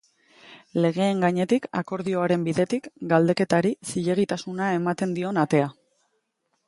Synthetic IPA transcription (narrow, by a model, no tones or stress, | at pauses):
le̞ɣ̞e̞ːŋɡaɲe̞t̪ikako̞ɾðio̞aɾe̞mbiðe̞t̪ikɡald̪e̞ke̞t̪aɾisiʎe̞ɣ̞it̪asunae̞mat̪e̞nd̪io̞nat̪e̞a